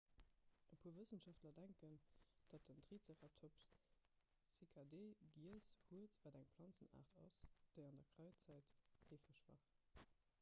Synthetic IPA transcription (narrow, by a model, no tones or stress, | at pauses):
ʔəpʰuːɐvəsənʃɑftlɐdæŋkənd̥ɑtəntʁiːt͡seʁɑtʰop | sikʰadeːɡiəshuətvæːdæŋplɑnt͡səna̰ːʁtɑ̰sd̥eɪɑndɐkʁɑʊt͡sæɪtheːfəʃva̰ːχ